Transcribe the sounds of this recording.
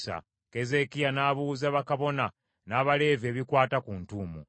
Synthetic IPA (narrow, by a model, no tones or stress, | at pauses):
sa̰ | ke̞ze̞kijanaːβuːzaβakaβo̞na | naːβale̞ːve̞ːβikwaːtakuːntuːmṵ